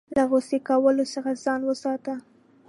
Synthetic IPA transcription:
laɣosekawəlosəxazɑnwəsɑt̪a

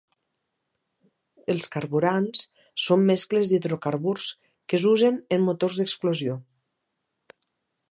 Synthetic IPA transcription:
əlˠskaɾβuɾans | sːomːɛskləzd̪iðɾokaɾβuɾs | kəzuzənəmːut̪orzðəksplozio

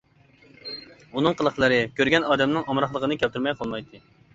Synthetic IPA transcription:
unɨŋqʰəlˠəχlˠəɾɨkʲøɾɡʲɛnɑːd̪ɛmnɨŋɑmɾɑχlˠəʁənɨkʲʰɛlt̪yɾmɛjqʰɑlˠmɑjt̪ʰɨ

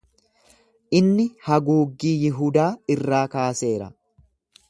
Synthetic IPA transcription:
ʔɪnːɪhɐɡuːɡːiːjɪɦud̪aːɪrːaːkaːse̞ːɾɐ̰

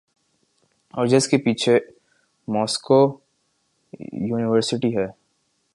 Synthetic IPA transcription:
ɔːɾd͡ʒeskepiːt͡ʃʰe | mɔːsko | juːnɪʋəɾsɪʈiɦɛː

